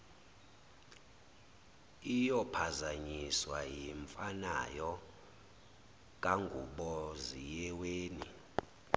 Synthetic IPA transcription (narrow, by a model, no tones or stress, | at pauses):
ijɔpʰazaɲiswajiɱfana̰jɔ | k̬ʼaŋɡʱuɓɔzijɛweːni